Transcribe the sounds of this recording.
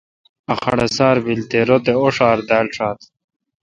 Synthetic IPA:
ɐxɐ̰ɽesaːɾbilt̪eɾot̪eoʂaːɾd̪aːlʂaːt̪

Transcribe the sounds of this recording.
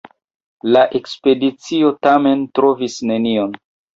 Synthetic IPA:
laʔe̞kspe̞dit͡sio̞tame̞ntɾo̞visne̞nion

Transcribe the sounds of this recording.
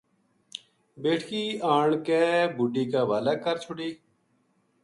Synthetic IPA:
beːʈʰkiːaːɳkeːbuɖiːkaːʋaːlakəɾt͡ʃʰʊɽiː

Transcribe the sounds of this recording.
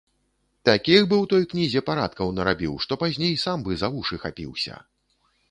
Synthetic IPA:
t̪akʲixbɨwt̪ɔjknʲizʲɛpaɾat̪̚kɐwnɐɾabʲiwʂt̪ɔpazʲnʲejsambɨzavuʂɨxa̰pʲḭwsʲɐ̰

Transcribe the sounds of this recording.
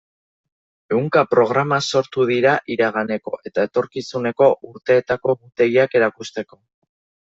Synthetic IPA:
e̞wŋkapɾo̞ɣ̞ɾamaso̞ɾt̪uð̞iɾaʔiɾaɣ̞ane̞ko̞ʔe̞t̪ae̞t̪o̞ɾkisune̞ko̞ʔuɾt̪e̞ːt̪ako̞ɣut̪e̞ɣiake̞ɾakust̪e̞ko̞

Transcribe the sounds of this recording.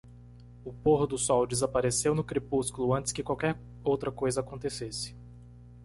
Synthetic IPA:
ʊpoɦʊd̪ʊsɔwd͡ʒɪzapaɾesewnʊkɾepuskʊlʊɐ̃nt̪ɪ̥skɪkwawkɛɾ | owt̪ɾɐkojzɐakõt̪esesɪ̥

